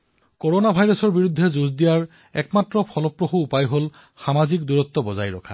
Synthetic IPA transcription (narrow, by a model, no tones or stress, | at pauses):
koɹonabʱajɹɔsɔɹbiɹud̪ʱːɛzuzdijaɹ | ɛkmatɹɔpʰɔlɔpːɹoxuːpajɦol | xamazikduɹɔt̪ːɔbɔza̰jɹɔ̰kʰa̰